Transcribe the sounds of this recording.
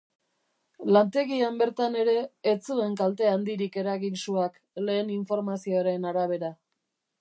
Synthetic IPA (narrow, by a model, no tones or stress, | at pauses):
lant̪e̞ɣiambe̞ɾt̪ane̞ɾe̞ːt͡sue̞ŋkalt̪e̞and̪iɾike̞ɾaɣinsuak | le̞ːniɱfo̞ɾmasioɾe̞naɾaβ̞e̞ɾa